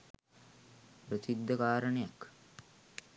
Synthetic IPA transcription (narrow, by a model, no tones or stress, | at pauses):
pɾəsid̪ːəkaːɾəɳejak